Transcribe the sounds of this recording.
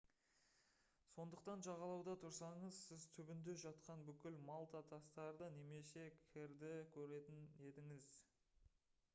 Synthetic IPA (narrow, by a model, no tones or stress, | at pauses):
so̞nd̪əqt̪ɑnʒɑʁɑlˠɑwd̪ɑt̪ʰʊɾsɑɴəzsɪzt̪ʰʏbɪnd̪e̞ʒɑt̪qɑnbʏkʲɪlmɑlˠt̪ɑt̪ʰɑst̪ɑɾd̪əne̞me̞se̞kʲʰɪɾd̪ɪkʲʰɵɾe̞t̪ɪne̞d̪ɪŋɪz